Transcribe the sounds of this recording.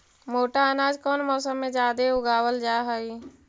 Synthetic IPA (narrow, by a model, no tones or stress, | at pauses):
moːʈaənaːd͡ʒkɔːnmɔːsəmːẽd͡ʒaːd̪eʊɡaːwəld͡ʒaːɦəi